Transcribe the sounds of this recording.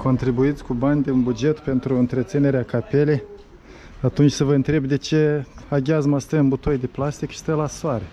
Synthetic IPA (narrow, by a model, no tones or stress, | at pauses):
kʰo̞nt̪ɾibuit̪sʲkubanʲd̪eunbud͡ʒe̞t̪pe̞nt̪ɾuɨnt̪ɾet̪sine̞ɾeakape̞lej | at̪unt͡ʃʲsəvəɨnt̪ɾe̞bd̪e̞t͡ʃe̞aɡʲazmast̪ɾəɨnbut̪ojd̪eplast̪ikʃi̥st̪ɾelasoaɾe